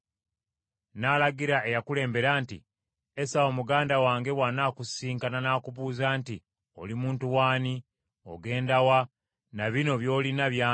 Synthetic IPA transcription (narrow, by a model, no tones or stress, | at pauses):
naːlaɡiɾaʔe̞jakule̞ːmbe̞ɾaːntḭ | esaoːmuɡaːndawaːŋɡe̞wanaːkusiːŋkananaːkuβuːzaːnti | o̞̰limuːntuwaːni | o̞̰ɡe̞ːndawa | naβino̞βjo̞ːlinaβjaː